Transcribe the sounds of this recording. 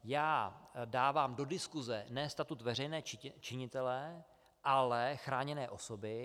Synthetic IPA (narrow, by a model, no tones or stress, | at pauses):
jaːdaːvaːmdo̞dɪskuzɛnɛːst̪at̪ut̪vɛr̝ɛjnɛːt͡ʃɪɲɪt̪ɛlɛ | ʔalɛxɾaːɲɛnɛːʔo̞so̞bɪ